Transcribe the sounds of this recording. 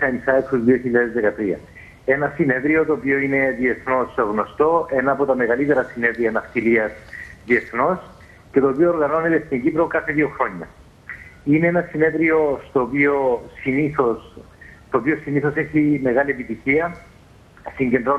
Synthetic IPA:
smisɐekuzðioçiʎːɐðe̞zðekɐt̪ɾiɐ̰ | e̞nɐsine̞ðɾio̞t̪oːpio̞ine̞ðie̞θno̞sɣno̞st̪o̞e̞nɐːpot̪ɐme̞ɣɐlit̪e̞ɾɐsine̞ðɾiɐnɐft̪iliɐsðie̞θno̞s | ce̞t̪oːpiooɾɣɐno̞ne̞t̪est̪iɲɟipɾokɐθe̞ðioxɾo̞ɲːɐ̰ | ine̞enɐsine̞ðɾio̞st̪oːpio̞siniθo̞s | t̪oːpio̞siniθo̞seçime̞ɣɐlie̞pit̪içiɐ | siɲɟe̞nd̪ɾo

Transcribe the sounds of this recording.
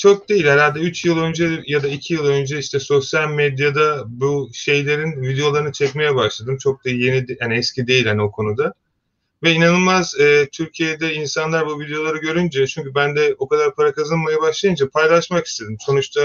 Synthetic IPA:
t͡ʃʰo̞k̚d̪e̞jilʲhaɾalʲd̪ɛyt͡ʃjɯlˠø̞nd͡ʒɛjad̪aicʰijɯlˠø̞nd͡ʒɛiʃt̪ʰɛso̞sjalʲmɛd̪jad̪abuʃe̞jlʲe̞ɾinvid̪eo̞lˠaɾɯnɯt͡ʃʰɛcme̞jɛbaʃlˠad̪ɯmt͡ʃʰo̞k̚d̪aje̞nid̪haniɛscʰid̪e̞jilʲhaniokʰo̞nud̪a | vɛinanɯlˠmazːt̪ʰyɾcʰijed̪ɛinsanlˠaɾbuvid̪ejo̞lˠaɾɯɟø̞ɾynd͡ʒɛt͡ʃʰyɲcybænd̪ɛo̞kad̪aɾpʰaɾakʰazɯnmajabaʃlˠajɯnd͡ʒapʰajlˠaʃmaki̥st̪ʰe̞d̪imso̞nut͡ʃt̪ʰa

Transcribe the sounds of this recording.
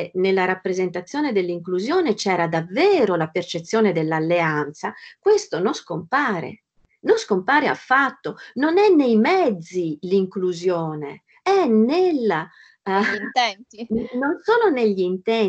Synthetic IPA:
nelːaɾapːɾezent̪at̪sːjɔːned̪elːiŋkluzjɔːnet͡ʃɛːɾad̪avːɛːɾolapert͡ʃet̪sːjɔːned̪elːalːeant̪sakwest̪onõnskompaːɾḛ | nonskompaːɾea̰fːat̪ːononɛnːejmɛd̪zːiliŋkluzjɔːnḛ | ɛnela | nɛnt̪inonsoːloneʎːint̪ɛ

